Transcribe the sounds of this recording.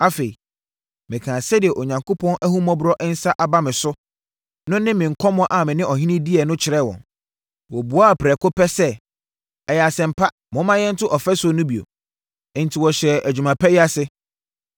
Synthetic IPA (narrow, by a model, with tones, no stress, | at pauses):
a˦fe˨i˨ | mɪ̃˨kʰã˨sɛ˦dɪ˨ɛ˨ʔo˨ɲã˨ŋkʰo˦pʰɔ̃˦nʔæ˦hũ˦mɔ̃˦bʊ˦ɾɔ˦ʔɛ˦n̩˦sa˦ʔa˨ba˦mɪ̃˨sʊ˦ | nʊ̃˦nɪ̃˦mɪ̃˨ŋ̩˨kʰɔ˦mʊ̃˦ʔa˨mɪ̃˨nɪ̃˦ɔ˨ɦĩ˦nɪ̃˦di˦ɛ˨nʊ̃˦t͡ɕʰɪ˨ɾɛ˦wɔ̰̃˨n | wɔ˨bu˨˦a˦˨pʰɾɛ˨kʊ˦pʰɛ˦sɛ˦ | ɛ˨jɛ˨a˨sɛ̃˨m̩˨pʰa˦ | mʊ̃˦mã˦jɛ˦n̩˦tʊ˦ʔɔ˨fɛ˦sʊ˦˨nʊ̃˦bi˨õ̰˨ | n̩˨tʰi˨wɔ˨ɕɛ˨æ˨d͡ʑᶣu˨mã˨pʰɛ˦jɪ˦a˦sɪ˦